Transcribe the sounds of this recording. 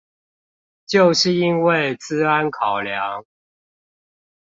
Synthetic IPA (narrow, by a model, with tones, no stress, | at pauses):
t͡ɕjo˥˨ʊʂɻ̩˥˨i˦˥nwe˥˨ɪt͡sɹ̩˦a˦nkʰɑ˨˩ʊlja˨˦ŋ